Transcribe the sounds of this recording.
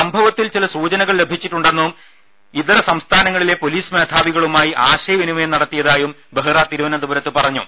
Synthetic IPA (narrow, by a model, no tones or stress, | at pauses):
sɐmbʱɐʋɐt̪ːilt͡ɕilɐsuːt͡ɕɐnɐɣɐɭle̞bʱit͡ɕːiʈːuɳɖe̞nːuum | it̪ɐɾɐsɐmst̪ʰaːnɐŋːɐɭile̞po̞liːsme̞ːd̪ʱaːʋiɣɐɭumaːjiʔaːɕɐjɐʋinumɐjenɐɽɐt̪ːijɐðaːjum | beɦɨraːt̪iɾuʋɐnɐnd̪ubɐɾɐt̪ːɨpɐrɐɲːu